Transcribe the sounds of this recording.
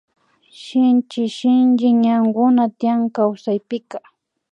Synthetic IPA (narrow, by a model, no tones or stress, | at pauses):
ʃɪnt͡ʃɪʃɪnd͡ʒɪɲaŋɡʊnat̪ɪjaŋkawsajpɪka